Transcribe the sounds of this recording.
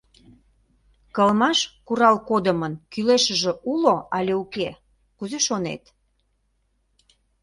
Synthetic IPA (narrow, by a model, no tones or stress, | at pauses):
kəlmɑʃkuɾɑlkod̪əmənkyleʃəʒĕʔuloʔɑlʲeuke | kuzeʃonḛt̪